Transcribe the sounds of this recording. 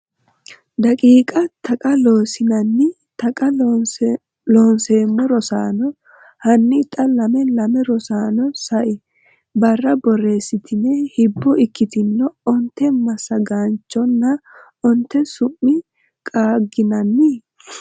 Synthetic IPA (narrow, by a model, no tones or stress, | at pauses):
d̪ɐkʼiːkʼɐt̪ʰɐkʼɐloːsɪnɐnːɪ | t̪ɐkʼɐ | loːnse̞ːmːɔɾɔsaːnɔ | hɐnːɪt̪ʼɐlɐmɛlɐmɛɾɔsaːnɔsɐʔɪ | bɐrːɐbɔre̞ːsːɪt̪ɪnːɛhɪbːɔɪkːɪt̪ɪnːɔɔnt̪ːɛmɐsɐɡaːnt͡ʃːɔnːɐ | ɔnt̪ːɛsʊmːɪ | kʼaːɡɪnɐnːɪ